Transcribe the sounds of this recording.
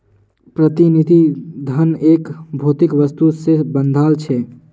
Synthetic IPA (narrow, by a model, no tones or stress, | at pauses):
pɾət̪inid̪ʱid̪ʱəneːkbʱoːt̪ɪkʋəst̪usebə̃nd̪ʱaːlt͡ʃʰɛ